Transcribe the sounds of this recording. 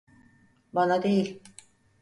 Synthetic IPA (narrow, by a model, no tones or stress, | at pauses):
banad̪ejilʲ